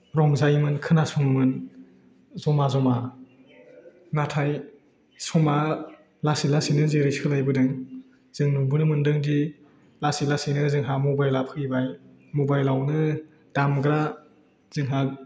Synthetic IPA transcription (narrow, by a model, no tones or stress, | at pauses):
ɾɔŋzajmɯnkʰɯnasɔŋɯmɯn | zɔmazɔma | natʰaj | sɔma | lasilasinɯzeɾɯjsɯlajbɯdɯŋ | z̥ɯŋnuŋbɯnɯmɯndɯŋdi | lasilasinɯzɯŋɦamɔbajlapʰɯibaj | mɔbajlawnɯ | d̥amɡɾa | z̥ɯŋɦa